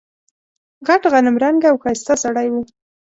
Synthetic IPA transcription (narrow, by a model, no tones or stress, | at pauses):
ɣaʈɣanɪmɾaŋɡawxɑjst̪asaɽajwu